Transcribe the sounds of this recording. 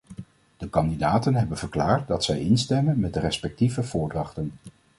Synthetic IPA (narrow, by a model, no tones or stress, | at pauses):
d̥əkɑndidaːtənɦɛbənv̥əɹklaːɹt̚dɑtsɛjɪnstɛmənmɛt̚dərɛspɛk̚tivəv̥ʊːɹdrɑχtən